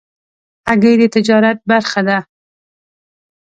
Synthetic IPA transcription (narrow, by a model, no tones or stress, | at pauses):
aɡajd̪et̪ʰɪd͡ʒɑɾat̪̚baɾχad̪a